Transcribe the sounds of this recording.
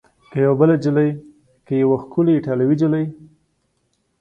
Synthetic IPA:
kəjawabəlad͡ʒɪləj | kəjawaxkʊleɪʈalawid͡ʒɪləj

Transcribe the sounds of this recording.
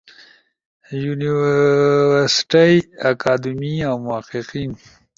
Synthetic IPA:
juniwwəɾsʈajakaːd̪miawmʊaqiqin

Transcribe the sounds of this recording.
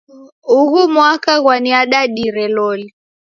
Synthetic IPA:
uɣumwakaɣwaniaɗaɗiɾɛlɔli

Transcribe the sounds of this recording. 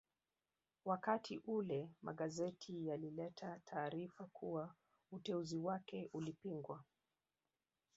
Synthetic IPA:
wakatʰiʔulɛma̰ɠazɛtʰijalilɛtʰatʰaːɾifakʰuwa | utɛuziwakɛʔulipiŋɡwa

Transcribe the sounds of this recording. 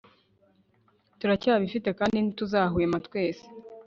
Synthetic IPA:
tuɾacaːβifite̞kaːndinituzaːɦujematkwe̞ːse̥

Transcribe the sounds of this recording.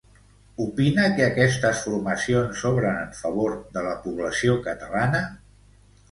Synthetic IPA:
upinəkəəːkɛst̪əsfuɾməsionsɔβɾənəɱfəβ̞oɾðələpuβləsiokət̪əlanə

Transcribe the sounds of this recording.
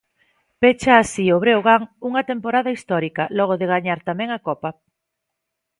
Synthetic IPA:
pet͡ʃaːsioβɾeoɣaŋuŋɐt̪empoɾaðɐist̪ɔɾikɐlɔɣ̞oðeɣaɲaɾt̪amɛ̃ŋakɔpɐ

